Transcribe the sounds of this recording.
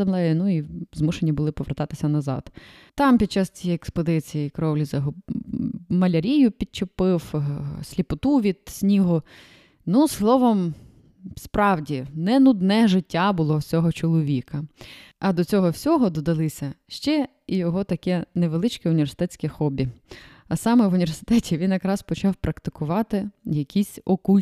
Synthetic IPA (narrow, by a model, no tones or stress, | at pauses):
ɐmlˠɛjɛnuizmuʃenʲibʊlˠɪpɔʋert̪ɑt̪ɪ̥sʲɐnɐzɑ̰d̪̥ | t̪ɑmpʲid̚t͡ʃːɑst͡sʲijɛjɛkspɔd̪ɪt͡sʲijikɾɔwlʲizɐɦʊ | mɐlʲɐɾʲijʊpʲit̪̚t͡ʃepɪwsʲlʲipʊt̪uʋʲid̪̥sʲnʲiɦʊ | nuslˠɔʋɔm | spɾɑwdʲinɛnʊd̪nɛʒɪtʲːabʊlˠɔwsʲɔɦɔt͡ʃɔlˠɔʋʲikɐ | ɐd̪ɔt͡sʲɔɦɔwsʲɔɦɔd̪ɔd̪ɐlˠɪsʲɐʃt͡ʃɛ | ijɔɦɔt̪ɐkɛneʋelˠɪt͡ʃkɛʊnʲiʋʲersɪ̥t̪ɛt͡sʲkʲɛxɔbʲi | ɐsɑmɛʋʊnʲiʋʲersɪ̥t̪ɛtʲiʋʲinjɐkɾɑspɔt͡ʃɑwpɾɐkt̪ɪ̥kʊʋɑt̪ɪjɐkʲʰisʲɔkulʲ